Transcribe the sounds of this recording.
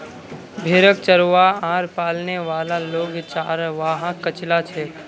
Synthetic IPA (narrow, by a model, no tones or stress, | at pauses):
bʱeːɾək̚t͡ʃəɾʋaãːɾpaːlneʋaːlaloːɡt͡ʃaːɾʋaːɦãkət͡ʃlat͡ʃʰeː